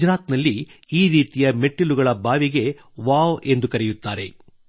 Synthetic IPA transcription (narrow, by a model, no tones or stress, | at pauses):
d͡ʒɾaːt̪nɐlːiiːɾiːt̪ijɐme̞ʈːiluɡɐɭɐbʱaːʋiɡe̞ | ʋaːʋe̞nd̪ukɐɾɛjut̪ːaːɾe̞̰